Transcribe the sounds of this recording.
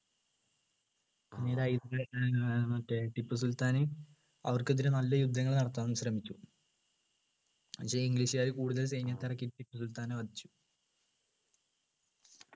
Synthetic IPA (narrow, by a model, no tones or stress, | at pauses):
pinːeɾɐjd̪ɐemɐtːeʈipːɨsult̪aːnɨ | ɐ̰ʋɐrkot̪̬ːiɾenɐlːɐjud̪ʱːɐŋːɐɭnɐɽɐt̪ːaːnːumɕrɐmikʲːu | pɐkʂeːiŋɡliɕijaːjikuːɽuðɐlsejnjɐt̪ːirɐkːitːʈipːɨsult̪aːnɐʋɐd̪ʱit͡ɕːu̥